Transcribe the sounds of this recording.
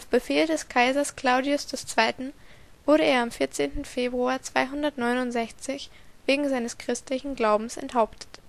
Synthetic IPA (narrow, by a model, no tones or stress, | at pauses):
ʔaʊfb̥əfeːldɛskʰaɪzɐskl̥aʊdiʊsd̥ɛst͡sv̥aɪtn̩ | v̥ʊɐɾəeːɐamfɪɐt͡seːntn̩feːbʁuaːɐt͡sv̥aɪɦʊndɐtnɔʏnʊntz̥ɛçt͡sɪç | v̥eːɡŋ̩zaɪnəskʁ̥ɪstlɪçn̩ɡlaʊbm̩sɛ̰nthaʊptʰə̥t